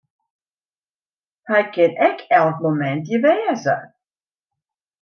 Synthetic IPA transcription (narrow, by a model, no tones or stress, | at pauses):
həjkɪnɛkʰɛlˠk̚momɛntjəʋɛːzə̰